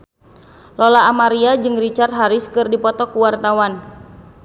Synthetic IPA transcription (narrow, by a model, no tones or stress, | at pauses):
lɔlaːmaɾiad͡ʒɨŋrit͡ʃarɦaɾɪskɨrdipɔt̪ɔkuwart̪awan